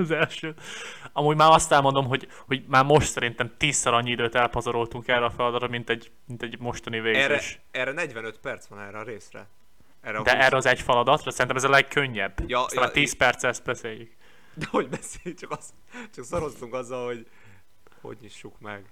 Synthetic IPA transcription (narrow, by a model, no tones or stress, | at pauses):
zɛlʃøːɒmuːɟmaːɾɒst̪ɛlmo̞nd̪o̞mɦo̞ɟ | ho̞ɟmaːrmo̞ʃt̪sɛɾint̪ɛmt̪iːsːɛlɒɲːiid̪øːt̪ɛlpɒzɒɾolt̪uŋkɛːrːɛɒfɛlɒd̪ɒt̪ɾɔmint̪ɛɟ | mint̪ɛɟmo̞ʃt̪ɒniveːzeɛʃ | ɛrɛnɛɟʋɛnøt̪pɛrt̪sʋɒnɛːrɛɒɾeːsrɛ̰ | ɛrɛd̪ɛʔɛːrːɛɒzɛcfɛlɒd̪ɒt̪rɒsɛɾint̪ɛmɛzɒlɛɡkøɲːɛbːjst̪amaːt̪iːspɛrt̪sɛst̪̚bɛseːjːyk | d̪ɛhoɟbɛse̥ːlit͡ʃɒkɒs | t͡ʃɒksoɾo̞st̪uŋkɒzːɒlho̞ɟ | ho̞̰ɟɲiʃːukmɛɡ